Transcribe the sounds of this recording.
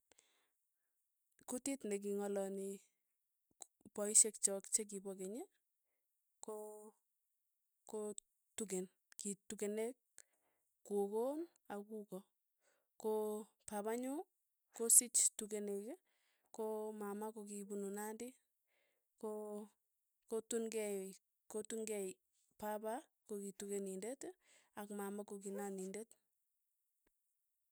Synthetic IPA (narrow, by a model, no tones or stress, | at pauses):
kutitnek̬iŋɔlɔni | pɔiʃek̚t͡ʃɔkt͡ʃek̬ibɔkeɲe | ko | ko | tuk̬en | kitukenekː | okon | akukɔ | ko | pabaɲu | kosit͡ʃtukeneke | komamakokibununandi | ko | kotuŋɡɛ | kotuŋɡɛi | pabakokitukenindetakmamakokinanindet